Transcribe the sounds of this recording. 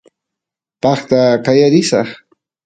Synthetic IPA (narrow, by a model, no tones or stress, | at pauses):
pɑχt̪akajaɾɪsɑχ